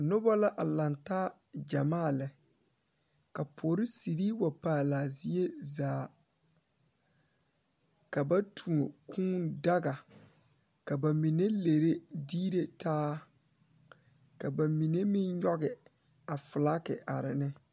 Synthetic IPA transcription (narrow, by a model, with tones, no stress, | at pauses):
nʊ˦bɔ˦la˦ʔa˨la˨ntaː˦ | d͡ʒa˨maː˦˨lɪ˨ | ka˨pʰoː˨ɾɪ˦si˨ɾi˦wa˨paː˦˨laː˨zi˦e˦zaː˨ | ka˨ba˦tʰu˨o˨kʰũː˦nda˦ɡa˨ | ka˨ba˨mi˨ne˦le˨ɾe˦diː˦ɾe˨tʰaː˦ | ka˨ba˨mi˨ne˦mɪ˦nɲɔ˦ɡɪ˨ | a˨fɪ˨la˦kɪ̰˨ʔa˨ɾɪ˨nɪ˦